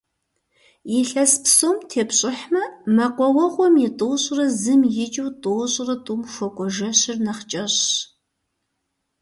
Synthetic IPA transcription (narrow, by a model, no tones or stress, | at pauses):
jɪɬɐspsoːmtʰeːpɕʼɪħmɐmɐqʷɔwɐʁʷɔmjɪtʼoɕʼrɐzɨmjɪt͡ʃʼɨwtʼoːɕʼrɐtʼuːmxʷɔkʷʼɔʒɐɕɪrnɐχt͡ʃʼɐɕ